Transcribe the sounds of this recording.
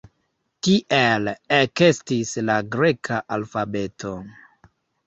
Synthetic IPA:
tiʔeleke̞stislaɡɾe̞kʰaʔalfabe̞tʰo̞

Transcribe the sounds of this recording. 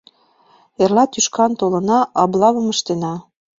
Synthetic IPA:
ĕrlɑt̪yʃkɑnt̪olɤ̆nɑʔɑblˠɑβɤ̆mɤ̆ʃt̪enɑ

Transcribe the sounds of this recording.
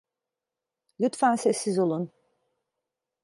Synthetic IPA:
lʲyt̪fænsɛsːizolˠun

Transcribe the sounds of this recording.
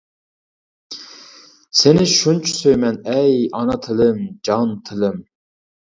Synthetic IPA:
senɪʃunt͡ʃʰu̥søjmɛnɛjɑnɑt̪ʰɪlɪmd͡ʒɑnt̪ʰɪlɪm

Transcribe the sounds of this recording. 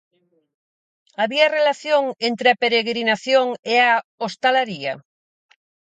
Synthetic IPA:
aβiɐrelaθjoŋent̪ɾeapeɾeɣɾinaθjoŋeaost̪alaɾiɐ̰

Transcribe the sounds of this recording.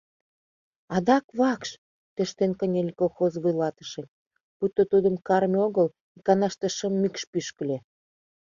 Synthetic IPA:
ɑd̪ɑkβɑkʃ | t̪øʃt̪enkənʲelʲikolxozβujlɑt̪ə̥ʃĕ | put̪ːot̪ud̪əmkɑrmʲoɣəl | ikɑnɑʃt̪eʃəmːykʃpyʃkə̆lʲe

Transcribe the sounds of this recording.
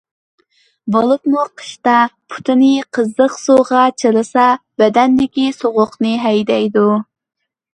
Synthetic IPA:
bolˠupmuqʰə̥ʃt̪ɑpʰu̥t̪ʰɨnɨqʰəzːəqsoʁɑt͡ʃʰəɾɨsɑb̥ɛd̪ɛnd̪ɪkʲisoʁʊqnɨɦɛjd̪ɛjd̪u

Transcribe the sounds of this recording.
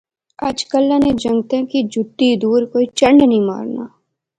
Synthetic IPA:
aːd͡ʒkəlːãned͡ʒɐ̃ŋɡt̪ẽkid͡ʒʱʊt̪ːid̪uːɾkoːit͡ʃə̃ɳɖnəɦĩma̰ːɾna̰ː

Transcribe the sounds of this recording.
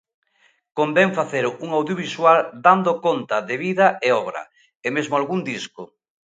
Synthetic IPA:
kombɛɱfaθeɾʊuŋawðjoβiswald̪and̪okont̪ɐðeβiðɐeɔβɾɐ̰ | emezmoalɣund̪isko

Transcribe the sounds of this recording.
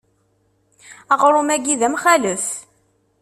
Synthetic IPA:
æʁɾˤʊmæɡiðæmχæləθ

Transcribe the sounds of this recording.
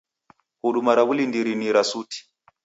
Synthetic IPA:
kuɗumaɾaβulindiɾiniɾasutʰi̥

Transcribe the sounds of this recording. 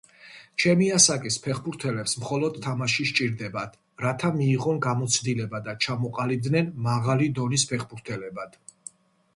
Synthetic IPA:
t͡ʃʰɛmiasakʼispʰɛχbuɾt̪ʰɛlɛpsmχɔlɔd̪t̪ʰːamaʃiʃt͡ʃʼiɾd̪ɛbad̪̥ | ɾat̪ʰamiːʁɔnɡamɔt̪sʰd̪ilɛbad̪at͡ʃʰamɔqʼalid̪nɛnmaʁalid̪ɔnispʰɛχbuɾt̪ʰɛlɛbad̪̥

